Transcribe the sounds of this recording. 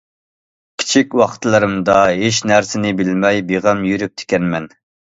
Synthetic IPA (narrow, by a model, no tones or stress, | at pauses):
kʲʰi̥t͡ʃʰikʲwɑχt̪lˠɨɾɨmd̪ɑɦeʃnæɾsɪnɪbɪlmɛjbeʁɛmjyɾyp̚t̪ʰɪ̥kʲɛnmɛn